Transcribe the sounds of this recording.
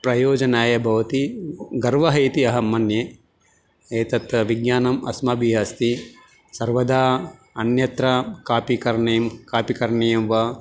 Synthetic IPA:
pɾɐjoːd͡ʒɐnaːjɐbʱɐʋɐt̪iɡɐɾʋɐɦɐjt̪iɐɦɐmːɐnjeː | eːt̪ɐt̪ɐʋiɡɲjaːnɐmɐ̰smɐbʱiɦaːst̪i | sɐɾʋɐd̪aː | ɐnjɐt̪ɾɐkaːpikɐɾɐɳeːmkaːpikɐɾɐɳejɐmʋɐ

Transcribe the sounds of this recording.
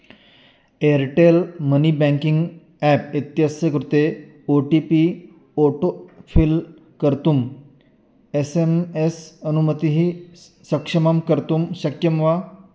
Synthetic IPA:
eɾʈelmənibɛ̃ŋkiŋɡ | ɛpit̪jəsjəkɾut̪e | oʈipi | oʈofʰil | kəɾt̪um | esemesənumət̪iɦi | səkʂəmamkəɾt̪umɕəkjəmʋa

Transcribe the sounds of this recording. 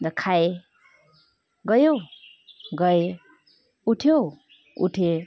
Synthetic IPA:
d̪ʌkʰaj | ɡʌjo | ɡʌj | uʈʰjo | ṵʈʰe

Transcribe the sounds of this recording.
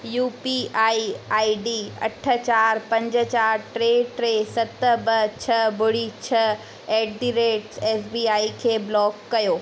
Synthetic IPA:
juːpiaːiaːiɖiːɐ̰ʈʰə̆t͡ɕaːɾpɐ̃ɲd͡ʑə̆t͡ɕaːɾʈɾeːʈɾeːsɐt̪ə̆bɐt͡ɕʰɐbʊɽit͡ɕʰɐ | ɛːɖ̚ɖiɾeːʈsɛːsbiːaːikʰeːblɔːkːɐjoː

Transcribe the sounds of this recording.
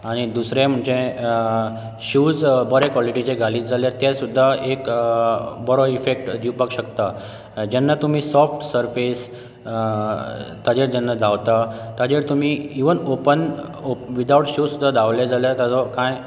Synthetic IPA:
aɽ̃id̪usɾãm̤əɳd͡ʑẽ | ɕuːd͡zbɔɾɛkʋɔliʈit͡ɕeɡʱaliːd͡zaljaɾt̪jasud̪ʱːaek | bɔɾɔifek̚ʈd̪iwpakɕəkt̪a | d͡ʑɛnːat̪um̤iːsɔfʈsəɾfes | t̪ad͡ʑeɾd͡ʑɛnːad̪ʱaʋt̪at̪ad͡ʑeɾt̪um̤iiʋənopənoʋid̪awʈɕuːd͡zsud̪ːad̪aʋlad͡zaljat̪jad͡zɔkãj

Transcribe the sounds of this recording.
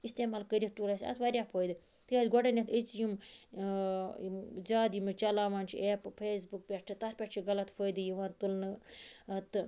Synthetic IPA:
ist̪eːmalkəɾʲit̪t̪ulɐsʲɐ̰t̪ʰʋɐɾʲjapʰoːjd̪ɨ | t̪ɨjaːzʲɡɔɖɐnʲet̪ʰət͡sjum | zaːd̪jimɨt͡ʃɐlaːʋaːnt͡ʃʰḭʔeːppʰeːsbuk̚pʲeʈʈʰit̪ɐɾpʲɐʈt͡ʃʰiɡɐlɐt̪pʰoːjd̪ɨjiʋaːnt̪ulnɨ | t̪ɨ

